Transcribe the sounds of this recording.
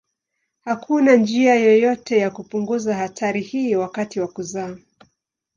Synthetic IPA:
hakʰunand͡ʒiajɔjɔtɛjakupuŋɡuzahatʰaɾihiːwakatiwakuzaː

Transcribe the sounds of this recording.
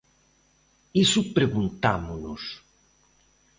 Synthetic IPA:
isʊpɾeɣunt̪amʊnʊ̰s

